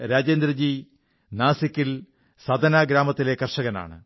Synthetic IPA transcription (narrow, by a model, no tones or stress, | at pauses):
ɾaːd͡ʑeːnd̪ɾɐd͡ʑi | naːsikʲːil | sɐd̪ʱɐnaːɡɾaːmɐt̪ːile̞kɐrʂɐɣɐna̰ːɳɨ̰